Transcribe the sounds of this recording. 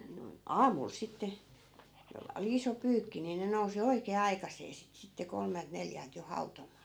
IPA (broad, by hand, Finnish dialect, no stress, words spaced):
noi̯n ɑːmul sitːe jolːɑ oli iso pyːkːi ni ne nousi oikeː ɑikɑsˑeː sit sitːe kolmelt neljælt jo hɑutomˑɑː